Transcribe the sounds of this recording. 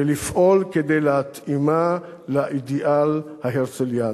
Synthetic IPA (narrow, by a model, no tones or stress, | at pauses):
elifʔolked̪ejlehat̪ima | laʔid̪iʔalhaɦeʁt͡selja